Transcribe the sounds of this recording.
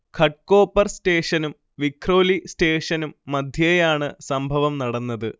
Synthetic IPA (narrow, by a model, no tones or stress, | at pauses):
kʰɐʈ̚ko̞ːpːɐrsʈe̞ːʂɐnum | ʋikʰro̞ːlisʈe̞ːʂɐnumːɐd̪ʱjɐjaːɳɨsɐmbʱɐʋɐmnɐɽɐnːɐðɨ